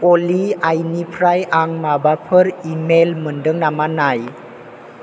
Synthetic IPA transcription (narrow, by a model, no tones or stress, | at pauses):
oliajnipʰɾajaŋmabapʰɯɾimelmɯndɯŋnamanaj